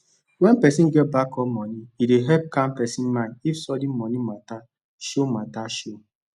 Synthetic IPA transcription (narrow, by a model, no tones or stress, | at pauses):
wɛnm̩pɛsĩn̩ɡɛbakɔmɔniideɦɛp̚kam̩pɛsin̩mãifsɔdim̩mɔnimata | ʃomataʃo